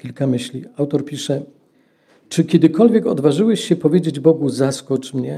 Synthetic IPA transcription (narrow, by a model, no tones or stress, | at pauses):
kʲilkamɘɕlʲiawt̪ɔɾpʲiʂɛ | t͡ʂɘkʲɛd̪ɘkɔlvʲjɛkɔd̪vaʐɘwɛɕɕɛpɔvʲjed͡ʑed͡ʑbɔɡuzaskɔt͡ʂmɲɛ